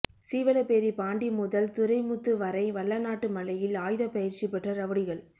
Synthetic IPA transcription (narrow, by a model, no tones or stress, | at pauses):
siːʋɐlɐpeːɾipaːɳɖimʊðɐlt̪ʊɾɐɪmʊt̪ːɯʋɐɾɐɪʋɐɭːɐnaːʈːɯmɐlɐjɪlaːjðɐpɐjɪɾt͡ʃipɛʈrɐɾɐʋɐɽɪɣɐɭ